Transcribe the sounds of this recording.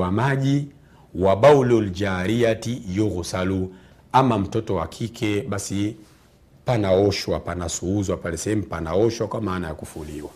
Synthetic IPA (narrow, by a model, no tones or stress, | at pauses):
wamaʄi | waɓaulɔld͡ʒaɾiatijɔɣusalu | amam̩tɔtɔwakʰikʰɛɓasi | panaɔʃwapanasuuzwapalɛsɛɛm̩panaɔʃwakwamaːnajakufuliwa